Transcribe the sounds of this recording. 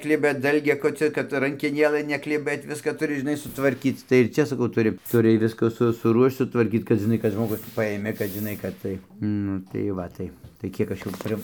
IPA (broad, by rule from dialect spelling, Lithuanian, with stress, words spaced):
ˈklʲɪbɐ ˈdɐlʲɡʲɛkoːt͡sʲoː kɐt rɐŋʲkʲɛˈnʲeːlˠɘ nʲɛklʲɪˈbɘt ˈʋʲɪskɐ tʊˈrʲɪ ʒʲɪˈnɐɪ sʊtʋɐrʲˈkʲiːt͡s tɐɪ ɪr ˈt͡ʃʲɛ sɐˈkɐʊ ˈtʊrʲɪ tʊˈrʲɪ ˈʋʲɪskɐ sʊ sʊˈruɔʃt͡ʃ sʊtʋɐrʲˈkʲiːt͡s kɐt ʒʲɪˈnɐɪ kɐt ʒmoːˈɡʊs ˈpɑːjeːmʲeː kɐt ʒʲɪˈnɐɪ kɐt ˈtɐɪ ˈnʊ tɐɪ ˈʋɐ tɐɪ tɐɪ ˈkʲiɛk ˈɐʃ jʊm ˈpʲrʲɪ